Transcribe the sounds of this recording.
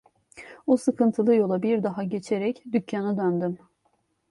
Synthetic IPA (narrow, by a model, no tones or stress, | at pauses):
usɯkʰɯnt̪ʰɯlˠɯjo̞lˠabiɾd̪aɦaɟe̞t͡ʃʰeɾɛcd̪ycʰːanad̪ønd̪ym